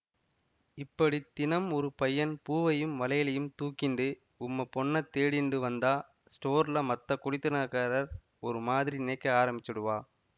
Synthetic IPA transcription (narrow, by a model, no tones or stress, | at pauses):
ɪpːɐɽit̪ɪnɐmɔɾɯpɐjɐnpuːʋɐjɯmʋɐlɐjɪlɐjɯmt̪uːkːɪɳɖɯ | ʊmːɐpɔɳːɐt̪ːeːɽɪɳɖɯʋɐnd̪aː | sʈoːɾlɐmɐt̪ːɐkʊɽɪt̪ːɯnaːkaːɾɐɾ | ɔɾɯmaːðɪɾinɪnɐɪkːɐaːɾɐmbɪt͡ʃːɯɽɯʋaː